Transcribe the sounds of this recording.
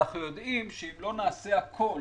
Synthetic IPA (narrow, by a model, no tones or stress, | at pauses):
χjod̪ʔimʃeimlo̞naːseakʰo̞l